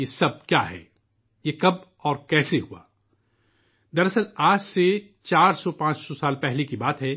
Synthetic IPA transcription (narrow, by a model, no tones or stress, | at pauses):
jesɐb̚kjaːɦɛ̰ː | jekɐb̚ | ɔːɾkɛːseɦua̰ː | d̪ɐɾɐsəɾaːd͡ʒse | t͡ʃaːɾsɔpãːt͡ʃsɔsaːlpɛɦlekibaːt̪ɦɛː